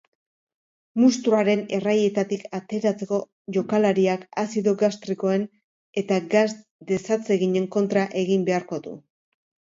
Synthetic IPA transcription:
must̪ɾuaɾe̞ne̞raje̞t̪at̪ikat̪e̞ɾat͡se̞ko̞ | ʝo̞kalaɾiakasiðo̞ɣast̪ɾiko̞e̞n | e̞t̪aɡas | d̪e̞sat͡se̞ɣiɲe̞ŋko̞nt̪ɾaʔe̞ɣimbe̞aɾko̞ðṵ

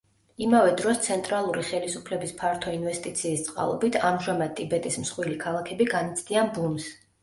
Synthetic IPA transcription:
imavɛd̪ɾɔst̪sʰɛnt̪ʼɾalˠuɾiχɛlisupʰlɛbispʰaɾt̪ʰɔinvɛst̪ʼit̪sʰiːst̪sʼqʼa̰lˠɔbit̪ʰamʒamad̪̚t̪ʼibɛt̪ʼismsχwilikʰalˠakʰɛbiɡanit̪sʰd̪ianbums

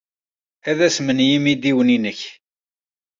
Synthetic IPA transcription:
æðæsmənjimid̪iwəninəç

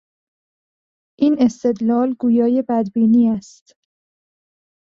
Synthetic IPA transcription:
ʔiːne̞st̪e̞d̪lɒːlɡuːjɒːjebæd̪biːniːæst̪

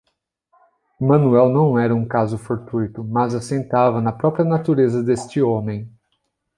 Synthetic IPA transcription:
mɐ̃nuɛwnɐ̃w̃ɛɾɐũkazʊfoɾt̪ujt̪ʊmɐzɐsẽnt̪avɐnɐpɾɔpɾiɐnat̪uɾezɐd̪est͡ʃɪõmẽj̃

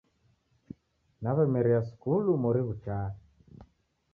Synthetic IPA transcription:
naβɛmɛɾiaskulumɔɾiβut͡ʃaː

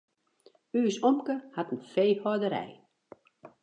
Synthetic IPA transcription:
yːsɔmkəhatən̩feːhɔdəɾɛ̰j

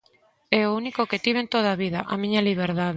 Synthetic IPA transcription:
ɛounikoket̪iβ̞ent̪oð̞aβiðɐʔamĩɲɐliβ̞eɾðað

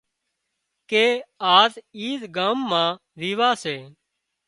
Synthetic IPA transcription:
keːaːziːzɡãːmːãː | ɾiːʋaːseː

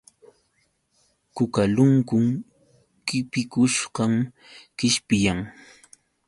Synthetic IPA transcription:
kʊkalʊŋkʊŋ | kɪpɪkʊʃɢɑm | kɪʃpɪjaŋ

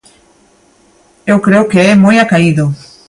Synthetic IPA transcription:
ewkɾeʊkeɛmojakaiðʊ

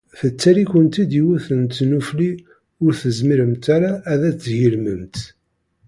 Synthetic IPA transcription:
θət͡sːæɾikənt̪id̪iwuθənt̪ːnufli | ʊɾθəzmiɾəmt̪aɾaːðæt͡sːʝilməmt̪

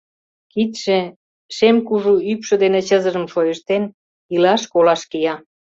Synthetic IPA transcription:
kit̪ʃe | ʃemkuʒuypʃɤ̆d̪enet͡ɕə̆zə̆ʒə̆mʃojə̆ʃt̪en | ilɑʃkolɑʃkijɑ

